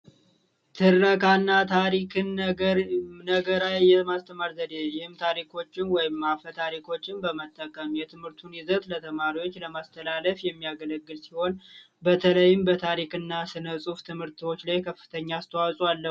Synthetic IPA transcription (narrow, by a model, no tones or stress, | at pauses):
t̪ʰɨrːəkʰanːat̪ʰaɾikʰɨn | nəɡəɾajjɛmast̪ʰəmaɾzəd̪ejɪhɨmt̪ʰaɾikʰo̞t͡ʃːɪnwɔjɪmːafət̪ʰaɾikʰo̞t͡ʃːɪnbəmət̪ʼːəkʼəmjɛt̪ʰɨmhɨɾt̪ʰunɪzət̪lət̪ʰəmaɾiwo̞t͡ʃːləmast̪ʰəlaləfjɛmːijaɡələɡːɨlsiho̞n | bət̪ʰələjɪmbət̪ʰaɾikɨnːasɨnəsʼuft̪ʰɨmhɨɾt̪ʰwo̞t͡ʃːlajkʰəfːɨ̥t̪ʰəɲːaːst̪ʰəwasʼwalːə